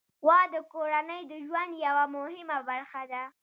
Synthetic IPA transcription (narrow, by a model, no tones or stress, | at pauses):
wɑd̪əkoɾanəjd̪əʒwand̪jawamʊhɪmabaɾxad̪a